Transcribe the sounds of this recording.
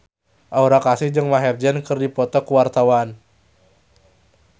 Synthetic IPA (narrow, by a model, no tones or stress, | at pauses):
ʔauɾakasɪhd͡ʒɨŋmaɦɛrd͡ʒɛnkɨrdipɔt̪ɔkuwart̪awan